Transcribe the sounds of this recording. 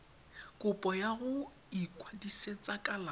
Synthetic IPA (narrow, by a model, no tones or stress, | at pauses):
kʼʊpʼɔjaɣʊ | ikʼwadiset͡sʼakʼala